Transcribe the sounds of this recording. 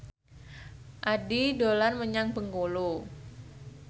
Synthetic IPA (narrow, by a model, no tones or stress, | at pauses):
ʔadidolanməɲaŋpəŋkolo